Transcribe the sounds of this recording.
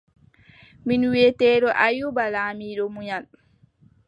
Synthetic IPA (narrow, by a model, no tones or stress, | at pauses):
minwɛtɛːɗɔʔajubalaːmiːɗɔmuɲal